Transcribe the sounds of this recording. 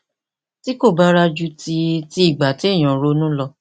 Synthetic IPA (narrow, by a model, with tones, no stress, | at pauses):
ti˦ko˦˨ba˦ɾa˧d͡ʒu˦tʰi˧ti˦i˦˨ɡ͡ba˨ti˨˦i˦˨j̃ɔ̃˨ɾo˦nũ˦lɔ˧